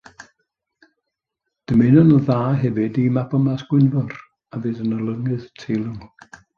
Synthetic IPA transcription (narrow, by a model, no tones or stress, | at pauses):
d̥əmɪnɔnəðaːɦɛvɨdimapɔmasɡ̥wɪnvɔr | avɨːðənəlˠəŋɨðtʰejlˠəŋ